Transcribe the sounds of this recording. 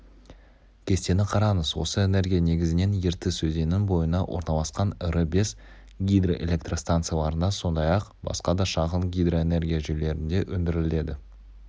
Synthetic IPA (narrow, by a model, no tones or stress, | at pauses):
kʲʰe̞st̪e̞nɪqʰɑɾɑɴəzwo̞̰səe̞ne̞ɾɡʲijane̞ɡʲɪzɪne̞nje̞ɾt̪ɪsɵze̞nɪŋbo̞jənɑwʔo̞̰ɾnɑlˠɑsqɑnəɾəbe̞s | ɡʲijd̪roʔe̞̰lʲe̞k̚t̪rost̪ant̪sɨjalˠɑɾənɑso̞nd̪ɑjɑqbɑ̰sqɑd̪ɑʃɑʁənɡʲijd̪ro̞e̞ne̞ɾɡʲijaʒʏjle̞ɾɪnd̪e̞ʔɵnd̪ɪɾɪle̞d̪ɪ